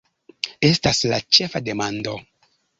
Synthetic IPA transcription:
e̞staslat͡ʃe̞fade̞mando̞

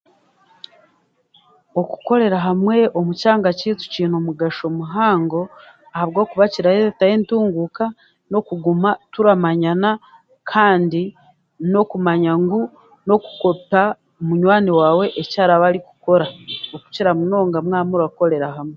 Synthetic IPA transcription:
o̞ku̥ko̞ɾe̞ɾaɦamwe̞o̞mucaːŋɡacitu̥ciːnomuɡaʃo̞muɦaːŋɡo̞ | ahaβɡo̞ːkuβaciɾajetajentuːŋɡuka | no̞kuɡumatuɾamaɲana | kʰaːndi | no̞kumaɲaŋɡu | no̞ku̥ko̞pa | omuɲwaːniwaːwe̞ʔecaːɾaβaɾiku̥ko̞ɾaoku̥ciɾamuno̞ːŋɡamŋaːmuɾako̞ɾe̞ɾaɦamwe

